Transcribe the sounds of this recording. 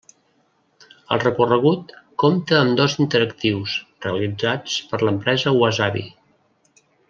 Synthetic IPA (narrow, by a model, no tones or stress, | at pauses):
ə̰lˠrəkurəɣ̞ut̪̚kɔmt̪əːmd̪ɔzint̪əɾəkt̪iwsreəlid͡zat͡spəɾləmpɾɛzəwazaβḭ